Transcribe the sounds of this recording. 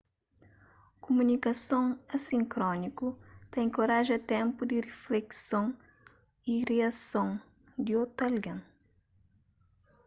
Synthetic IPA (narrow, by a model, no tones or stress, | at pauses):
kumunikɐsõŋɐsĩŋkɾɔnikut̪ɛ̃j̃koɾaʒɐt̪ɛ̃mpud̪iriflɛksõŋ | iriɐsõŋ | d̪iot̪ɐlɡɐ̃ŋ